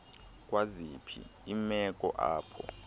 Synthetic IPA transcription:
kʼwazipʰḭːmɛkʼɔʔaːpʰɔ

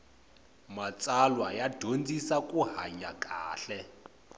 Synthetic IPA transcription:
mat͡sʼalwajad̥ʱond͡zʱisakʼuɦa̰ɲakʼaːɬɛ

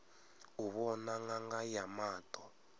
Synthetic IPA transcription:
uβɔnaŋɡaŋɡajamaːtʼɔ

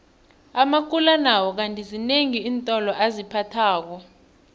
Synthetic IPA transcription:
amak̬ʰʼulanawɔk̬antʼizineŋiːntʼɔlɔʔazipʰatʰaːk̬ɔ

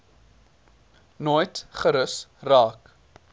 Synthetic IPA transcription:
nojtχəɾəsraːk

